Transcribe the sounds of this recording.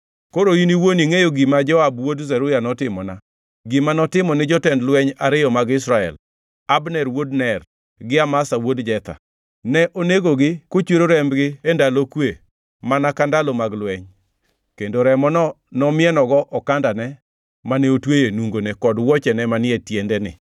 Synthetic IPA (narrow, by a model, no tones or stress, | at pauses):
koɾoiniwoniŋejoɡimad͡ʒɔabwodzɛɾʊjanɔtɪmɔna | ɡimanɔtɪmɔnɪd͡ʒɔtɛndlwɛɲaɾɪjɔmaɡɪsɾaɛ̰l | abnɛɾwodnɛr | ɡɪamasawodd͡ʒɛt̪a̰ | nɛʔoneɡoɡɪkot͡ʃweɾoɾɛmbɡɪendalokwe | manakandalomaɡlwɛɲ | kendoɾɛmɔnɔ | nɔmɪɛnɔɡɔʔɔkandanɛ | manɛotwejenuŋɡonekɔdwɔt͡ʃɛnɛmanɪɛtjɛndɛnɪ̰